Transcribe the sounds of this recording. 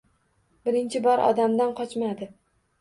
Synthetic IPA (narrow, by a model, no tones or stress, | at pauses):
bɪɾɪnt͡ʃʰɪbɒɾʔɒ̰d̪amd̪anqʰɒt͡ʃmad̪ɪ